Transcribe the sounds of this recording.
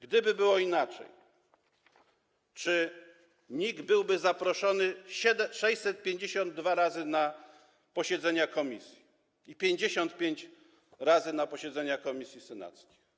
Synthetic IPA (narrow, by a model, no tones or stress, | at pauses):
ɡd̪ɘbɘbɘwɔinat͡ʂɛ̰j | t͡ʂɘ | ɲiɡbɘwbɘzapɾɔʂɔnɘɕɛd̪ɛʂɛjsɛt̪̚pʲjeɲd͡ʑeɕɔnd̪ːvaɾazɘna | pɔɕɛd̪zɛɲakɔmʲisʲji | ipʲjeɲd͡ʑeɕɔnt̪̚pʲjeɲt͡ɕ | ɾazɘnapɔɕɛd̪zɛɲakɔmʲisʲjisɛna̰t̪skʲe̥j